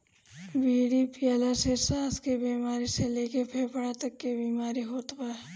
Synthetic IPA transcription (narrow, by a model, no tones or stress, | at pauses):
biːɽipɪjaːlasesaːskebiːmaːɾiseleːkepʰeːpəɽat̪əkːebiːmaːɾiɦoːt̪ba